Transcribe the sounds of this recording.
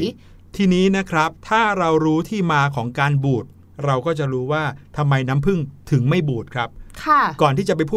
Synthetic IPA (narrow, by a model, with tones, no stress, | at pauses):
t̪ʰiː˧niː˦˥na˦˥kʰɾa˦˥p̚t̪ʰaː˥˩ɾa˧wɾuː˦˥t̪ʰiː˥˩maː˧kʰɔː˩˦ŋkaː˧nbuː˨˩t̪̚ | ɾa˧wkɔː˥˩t͡ɕa˨˩ɾuː˦˥waː˥˩t̪ʰa˧mːa˧jnaː˦˥mpʰɯ˥˩ŋt̪ʰɯ˩˦ŋma˥˩jbuː˨˩t̪̚kʰɾa˦˥p̚kʰa˥˩kɔː˨˩nt̪ʰiː˥˩t͡ɕa˨˩pa˧jpʰuː˥˩